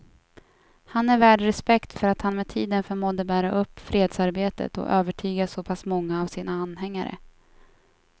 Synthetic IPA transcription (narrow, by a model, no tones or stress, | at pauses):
hanæɾvæːɖɾɛspɛkt̪fœɾat̪hanmɛt̪ʰiːd̪ənfœɾmɔd̪əbæːɾaʔɵpːfɾeːd̪saɾbeːt̪ə̰t̪ɔ̰ʔøːvəʈʰyːɡasɔpʰasmɔŋːaːvsiːnaanːɦɛŋːaɾə̰